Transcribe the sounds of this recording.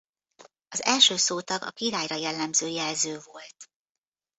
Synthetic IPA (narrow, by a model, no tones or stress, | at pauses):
ɒzɛlʃøːsoːt̪ɒɡɒ̰kiɾaːjrɒjɛlːɛmzøːjɛlzøːvo̞lt̪